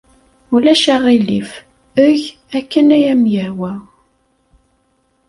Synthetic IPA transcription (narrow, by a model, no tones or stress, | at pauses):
ulæʃaʁilḭf | əʝ | ækːənæjæmjæwæ